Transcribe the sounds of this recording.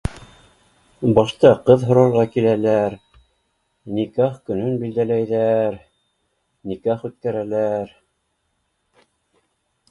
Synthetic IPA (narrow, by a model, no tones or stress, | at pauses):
bɑʃt̪ɑqɤðɦŏɾɑɾʁɑkilælæɾ | nikɑχkɵ̆nɵnbild̪ælæjðæɾ | nikɑχʉt̪̚kæɾælæɾ